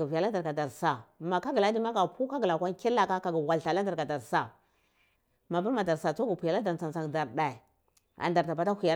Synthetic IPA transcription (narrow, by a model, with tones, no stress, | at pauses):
va˨la˦da˨ɾɡa˨da˨ɾsa˨ma˨ka˦ɡla˦di˦ma˦ɡa˨pu˦ka˦ɡla˨kʷa˦n˦ki˦la˦ka˦ka˨ɡa˨wa˨lɬa˨la˦da˨ɾɡa˨da˨ɾsa˨ | ma˨ba˦ɾma˨da˨ɾsa˨t͡so˦ɡu˨pi˨ja˨la˦da˨t͡sa˨nt͡sa˨ŋda˨ɾda˨i˨ | a̰˨nda˨ɾta˨ba˨ta˦i˨ja˨˦